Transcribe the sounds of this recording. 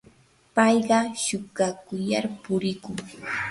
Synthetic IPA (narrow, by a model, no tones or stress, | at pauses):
pɑjɢɑʃʊkakʊjaɾpʊɾɪkʊŋ